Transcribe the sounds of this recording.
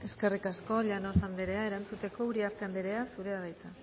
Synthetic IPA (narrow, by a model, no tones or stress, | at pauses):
e̞ske̞rikasko̞ʎanosand̪eɾe̞aeɾant͡sut̪e̞ko̞uɾiaɾkand̪eɾe̞asuɾe̞aðajt͡sa